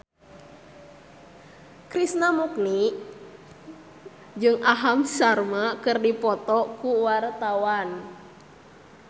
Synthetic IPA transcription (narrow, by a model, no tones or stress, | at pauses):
kɾisnamuk̚ni | d͡ʒɨŋʔaɦamsarmakɨrdipɔt̪ɔkuwart̪awan